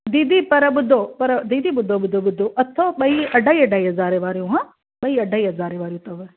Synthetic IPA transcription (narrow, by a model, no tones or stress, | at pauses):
d̪iːd̪ipɐɾɐɓʊd̪ʱopɐɾɐd̪iːd̪iɓʊd̪ʱoːɓʊd̪ʱoɓʊd̪ʱoʔɐt̪ʰːoɓɐiɐɖʱaːiɐɖʱaːiːɦɐzaːɾeʋaːɾijũɦã | ɓɐiɐɖʱaːiɦɐzaːɾeʋaːɾijũt̪ɐʋ